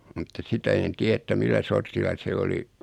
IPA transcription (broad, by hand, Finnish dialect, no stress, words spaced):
mutːɑ sitæ en tiæ etːæ milːæ sortilːɑ se oli